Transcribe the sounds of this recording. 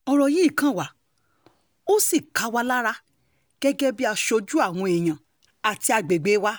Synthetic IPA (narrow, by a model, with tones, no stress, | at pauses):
ɔ˧ɾɔ˨ji˨˦˨kã˦˨wa˨˦ | o˦si˦˨ka˨˦wa˦la˦ɾa˦ | ɡ̥ɛ˦ɡɛ˦bi˦a˧ʃo˧˦d͡ʒu˦a˦˨w̃ɔ̃˧e˨j̃ã˨ | a˨ti˧a˧ɡ͡be˨ɡ͡be˨˦wa˦